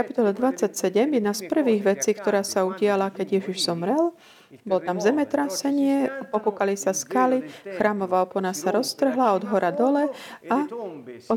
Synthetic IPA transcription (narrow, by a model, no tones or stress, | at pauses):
kapi̥t̪ɔlɛd̪ʋat͡sːacsɛɟɛmjɛd̪naspr̩ʋiːɣʋɛt͡siːkt̪ɔɾaːsauɟɪalakɛɟɪjɛʒiʒzɔmɾɛl | bɔlɔt̪amzɛmɛt̪ɾasɛɲɪɛpɔpukalisaskalixɾaːmɔʋaːɔpɔnasaɾɔst̪r̩ɦlaɔd̪ɦɔɾʔad̪ɔlɛaɔ